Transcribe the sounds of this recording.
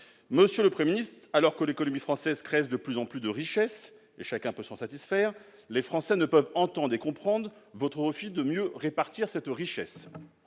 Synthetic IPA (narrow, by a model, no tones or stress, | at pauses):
məsjøləpχiminist̪χalɔʁkəlekɔnɔmifχɑ̃sɛzkχɛzd̪əplyzɑ̃plyd̪əʁiʃɛs | eʃakʲɛ̃pøsɑ̃sat̪isfɛːʁ | lefχɑ̃sɛnəpœvɑ̃t̪ɑ̃d̪ʁekɔ̃pχɑ̃d̪ʁvɔt̪χəʁəfid̪əmjøʁepaʁt̪iʁsɛt̪ʁiʃɛs